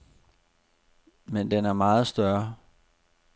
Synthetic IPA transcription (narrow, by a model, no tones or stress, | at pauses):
mend̥enæɐmɑ̈ːð̞̩ˠsd̥ɶɐ